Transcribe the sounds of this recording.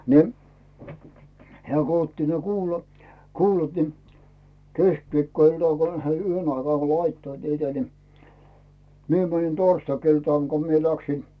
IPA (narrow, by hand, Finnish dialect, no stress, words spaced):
ni̞ heæˑ ko otːi ne kuːlɑ kuːlɑt ni keskʋiːkːoiltɑˑŋ kon he yhen ɑikɑː lɑitːoit niːtæ ni mie mænin torstɑkiltɑˑŋ ko mie læksin